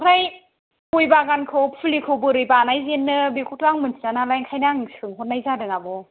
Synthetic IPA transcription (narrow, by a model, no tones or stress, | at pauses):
kʰɾaj | pujbaɡankʰɯwpʰɯlikʰɯwbɯɾɯjbanajzenːɯbekʰutʰaŋmɯnsʰinanalajŋkʰajnaŋsʰɯŋɦot̚najzadɯŋabɔ